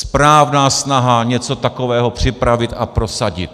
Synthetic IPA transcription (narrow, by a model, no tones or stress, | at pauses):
spɾaːvnaːsnaɦaɲɛt͡sot̪akovɛːɦopr̝̥ɪpɾavɪt̪apɾosaɟɪ̰t̪̚